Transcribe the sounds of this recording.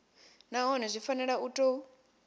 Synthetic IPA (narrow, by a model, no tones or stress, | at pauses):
naɦɔnɛzʷifanɛɺautʼɔ